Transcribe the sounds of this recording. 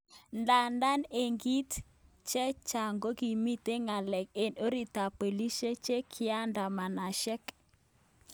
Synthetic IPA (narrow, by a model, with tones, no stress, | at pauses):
nda˨nda˦ne˨ŋɡi˦t | t͡ʃɛ˦t͡ʃa˨ŋɡo˦ɡi˨mi˦te˦ŋa˨lɛ˨ke˨no˦ɾi˨ta˨pe˨li˦ʃe˦t͡ʃe˦kʰɪ˦a˦nda˨ma˨na˨ʃɛ˦k